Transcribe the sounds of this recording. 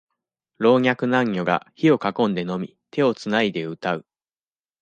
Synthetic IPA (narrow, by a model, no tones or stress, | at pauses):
ɾo̞ːɲʲakɯ̟nãŋːʲo̞ɡa̰çio̞kakõ̞nd̪e̞no̞mʲi | t̪ʰe̞o̞t͡sɨnaid̪e̞ɯ̟t̪aɯ̟